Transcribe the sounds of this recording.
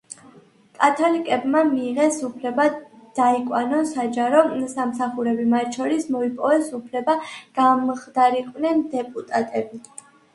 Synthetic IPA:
kʼat̪ʰɔlikʼɛbmamiːʁɛsupʰlɛbad̪̥aikʼwanɔnsad͡ʒaɾɔsamsaχuɾɛbimat̪ʰʃʰɔɾismɔipʼɔvɛsupʰlɛbaɡ̥amʁd̪aɾiqʼwnɛnd̪ɛpʼut̪ʼat̪ʼɛbi

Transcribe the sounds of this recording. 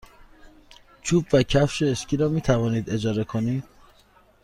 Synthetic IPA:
t͡ʃʰuːbvæcʰæfʃeːʃcʰiːɾɒːmiːt̪ʰævɒːniːd̪e̞d͡ʒɒːɾe̞kʰoniːd̪̥̚

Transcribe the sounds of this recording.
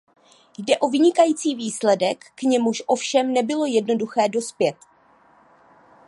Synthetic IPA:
jdɛʔo̞vɪɲɪkajiːt͡siːviːslɛdɛkːɲɛmuʃʔo̞fʃɛmnɛbɪlo̞jɛdno̞duxɛːdo̞spjɛt̪

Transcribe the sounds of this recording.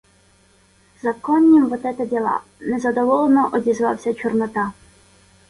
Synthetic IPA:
zɐkɔnʲːimʋɔt̪ɛt̪ɐbʲilˠɑ̰nɛzɐd̪ɔʋɔlˠenɔʔɔdʲizʋɑ̰wsʲɐt͡ʃɔrnɔt̪ɑ

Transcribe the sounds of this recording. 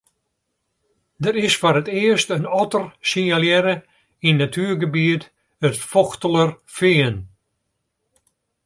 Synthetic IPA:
dəɾɪsfɔɾətɪəstənɔtərsiŋaljɛɾə | inːatʰyːərɡəbiət | ətfɔxtələr | fiən

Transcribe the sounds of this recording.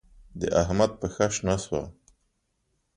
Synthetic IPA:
d̪ə̰ʔaɦmad̪̚pəxaʃnaswa

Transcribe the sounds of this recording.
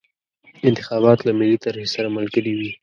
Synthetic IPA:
ɪnt̪ɪxɑβɑt̪lamɪlːit̪aɾhesaɾaməlkəliwi

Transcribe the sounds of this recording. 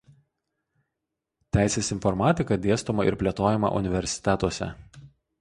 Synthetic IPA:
t̪ʲæˑɪsʲeːsɪnfɔɾmɑːt̪ʲɪkɐd̪ʲeːst̪omɐɪ̰ɾpʲlʲeɛt̪oːjɛmɐ̰ʔʊ̰nʲɪʋʲɛɾʲsʲɪ̥t̪ʲæt̪uɔsʲɛ̰

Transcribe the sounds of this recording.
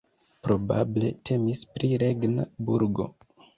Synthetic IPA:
pɾo̞bable̞tʰe̞mispɾiɾe̞ɡnabuɾɡo̞̰

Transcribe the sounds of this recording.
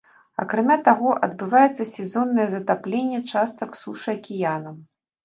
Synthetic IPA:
ɐ̰kɾamʲat̪aɣɔʔɐ̰d̪bɨvajɛt̪sːɐsʲɛzɔnːɐjɛzɐt̪aplʲenʲːɛt͡ʂast̪ɐksuʂɨɐkʲijanɐm

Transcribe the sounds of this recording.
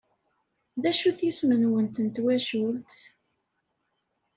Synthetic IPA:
ðæʃuθjismənwənt̪ənt̪wæʃult̪

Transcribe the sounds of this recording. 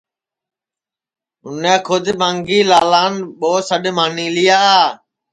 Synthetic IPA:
ʊnɛ̃ːkʰʊd̪mãːŋɡiːlaːlaːnɓoːsəɗmaːnĩːlɪjaːaː

